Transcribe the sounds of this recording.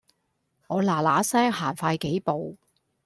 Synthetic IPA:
ŋɔː˨˧laː˨˩laː˨˥sɛː˥ŋhaː˨˩nfaː˧jke˨˥jpo˨w

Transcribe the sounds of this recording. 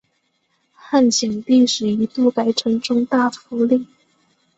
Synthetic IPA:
xa˥˩nt͡ɕʰjɛ˨˩nt̪i˥˧ʂɻ̩˨˩i˧˥t̪u˥˩ka˧˥ɪʈ͡ʂʰɤ˧˥ŋʈ͡ʂʊ˥ŋt̪a˥˩fu˧˥li˥˩

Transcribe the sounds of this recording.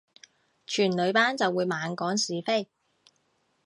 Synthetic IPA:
t͡ʃʰyː˨˩nlɵ˨˧ɥpaː˥nt͡sɐ˨wːuː˨˧jmaː˨˧nkɔː˨˥ŋsiː˨˧fe˥j

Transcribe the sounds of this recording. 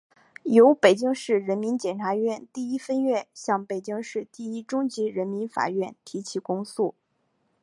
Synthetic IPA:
jo˧˥ʊpe˨˩ɪt͡ɕi˥ŋʂɻ̩˥˩ɻə˧˥nmi˧˥nt͡ɕjɛ˨˩nʈ͡ʂʰa˧˥ɥɛ˥˧nt̪i˥˩i˥fə˥nɥɛ˥˧ɕjɑ˥˩ŋpe˨˩ɪt͡ɕi˥ŋʂɻ̩˥˧t̪i˥˩i˥ʈ͡ʂʊ˥ŋt͡ɕi˧˥ɻə˧˥nmi˧˥nfa̰˨˩ɥɛ˥˩nt̪ʰi˧˥t͡ɕʰi˧˥˩kʊ˥ŋsu˥˩

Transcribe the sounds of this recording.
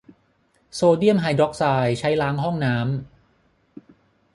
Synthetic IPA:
soː˧di˥˩əmɦaː˧jdɔ˦˥k̚saː˧jt͡ɕʰa˦˥jlaː˦˥ŋɦɔ˥˩ŋnaː˦˥m

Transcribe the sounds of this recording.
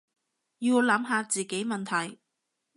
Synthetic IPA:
jiː˧wlɐ˨˥mɦaː˧t͡siː˨ke˨˥jmɐ˨nt̪ʰɐ˨˩j

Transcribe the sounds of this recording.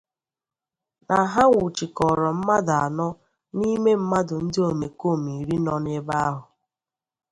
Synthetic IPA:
na˨ɦa˦ŋʷu˨t͡ʃi˨kɔ˨ɾɔ˨m̩˦ma˦da˨a˨nɔ˦ | ni˦me˦m̩˦ma˦dʊ˨n̩˦dɪ˦o˨me˨ko˦˨mi˨ɾi˦nɔ˦nɪ˦ba˦ɦʊ˨

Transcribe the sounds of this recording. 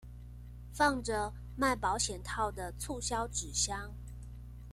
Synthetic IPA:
fɑ˥˩ŋʈ͡ʂə˩ | ma˥˩ɪpɑ˧˥ʊɕjɛ˨˩nt̪ʰɑ˥˩ʊd̪ə˩t͡sʰu˥˧ɕjɑ˥ʊʈ͡ʂɻ̩˨˩ɕjɑ˥ŋ

